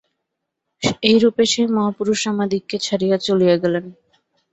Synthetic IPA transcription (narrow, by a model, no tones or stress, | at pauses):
ejɾupeʃemɔɦapuɾuʃamad̪ikːet͡ɕʰaɾijat͡ɕolijeɡɛlen